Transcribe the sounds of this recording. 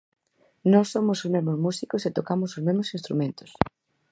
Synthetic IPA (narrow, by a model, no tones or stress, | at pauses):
nɔsːomosozmezmozmusikoset̪okamʊsozmezmosĩnst̪ɾumẽnt̪o̥s